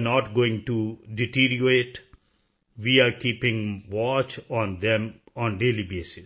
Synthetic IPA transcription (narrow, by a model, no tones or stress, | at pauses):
nɔːʈɡoːɪ̃ŋʈuɖɪʈiːɾjoeːʈ | ʋiːaɾkiːpɪ̃ŋʋɔːt͡ʃɔ̃ːnd̪ɛ̃mɔ̃ːnɖeːlibeːsɪs